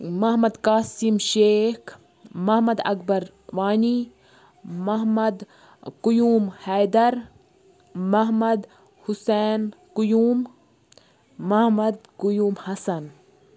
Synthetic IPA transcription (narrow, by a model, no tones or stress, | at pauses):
mɐɦmɐd̪kaːsimʃeːk | mɐɦmɐd̪ɐ̰kbɐɾ | ʋaːni | mɐɦmɐd̪ | kujuːmhɐjd̪ɐɾ | mɐɦmɐd̪ | huseːnkujuːm | ɐhmɐd̪kʊjuːmhɐsɐn